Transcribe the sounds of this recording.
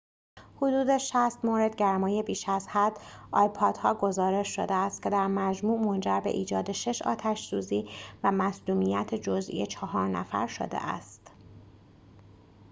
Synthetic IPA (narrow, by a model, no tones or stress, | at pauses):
hod̪uːd̪e̞ʃæst̪moɾe̞d̪̚ɟæɾmɒːjebiːʃæzhæd̪ɒ̰ːjpʰɒːd̪̥hɒːɡo̞zɒːɾe̞ʃʃo̰d̪eæst̪̚cʲʰe̞d̪æɾmæd͡ʒmuːʔmond͡ʒæɾbe̞̰ʔiːd͡ʒɒːd̪e̞ʃe̞ʃɒ̰ːt̪ʰæʃsuːziːvæmæsluːmijæt̪ʰed͡ʒozḭjet͡ʃʰɒɦɒːɾnæ̰fæ̰ɾʃo̰d̪ḛʔæ̰st̪